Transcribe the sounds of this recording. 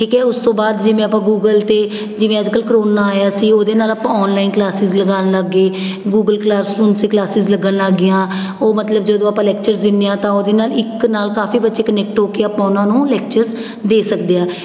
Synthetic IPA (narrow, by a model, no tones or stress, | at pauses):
ʈiːkɛːʊst̪õːbaːd̪d͡ʒɪːʋẽːəpãːɡuːɡəlt̪eː | d͡ʒɪʋẽːəd͡ʒkəlkɾoːnaːjaːsiːoːd̪eːnaːlaːpãːɔːnlaːɪnklaːsɪzləɡaːnləɡːeː | ɡuːɡəlklaːɾsɾũːnst̪eːklaːsɪzləɡənəɡɪjãː | oːmət̪ləbd͡ʒeːd̪õːapãːlɛːkt͡ʃəɾzd̪ɪnːejãːt̪ãːoːd̪eːnaːlɪknaːlkaːfiːbət̪ːʃeːkənɛːk̚ʈɦoːkeːəːpãːʊnãːnũːlɛːk̚t͡ʃəɾz | d̪eːsəkd̪eːãː